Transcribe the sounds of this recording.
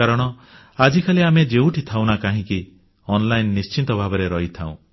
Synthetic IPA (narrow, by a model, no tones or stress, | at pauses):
aɾɔɽ̃ɔ | ad͡ʒikʰaliamed͡ʒeũʈʰit̪ʰaw̃nakaɦĩki | ɔnlajnːist͡ʃint̪ɔbʱabɔɾeɾɔɦit̪ʰãũ